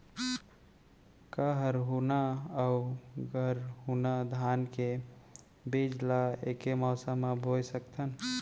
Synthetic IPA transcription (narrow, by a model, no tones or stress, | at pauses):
kəɦəɾɦunaauɡʱəɾɦunad̪ʱanke | bid͡ʒlaekemɔsamabʱojsəkt̪ʰən